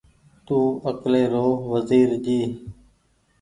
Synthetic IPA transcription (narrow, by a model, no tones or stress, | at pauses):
t̪uːəkleːɾoːʋəziːɾd͡ʒiː